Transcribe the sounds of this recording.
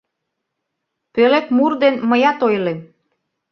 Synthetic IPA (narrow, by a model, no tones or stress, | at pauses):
pølepmurd̪enməjɑt̪ojlem